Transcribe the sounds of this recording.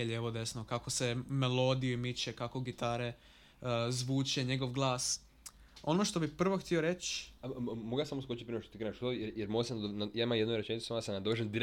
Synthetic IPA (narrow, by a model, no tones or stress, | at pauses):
jelʲjeʋod̪e̞snokako̞se̞melˠo̞d̪ijuimit͡ʃekako̞ɡit̪aːɾe̞ | zʋuːt͡ʃe̞ɲe̞ɡo̞ʋɡlˠaːs | o̞noʃt̪o̞bipr̩ʋoxt̪io̞ɾe̞t͡ʃ | moɡjasamoskot͡ɕit̪̚pɾinoʃt̪ot̪iɡɾenaʃt̪ojeɾjeɾmoɡsend̪najaimamjed̪nojɾet͡ʃenit̪samnd̪asnad̪oʋeʒend̪iɾ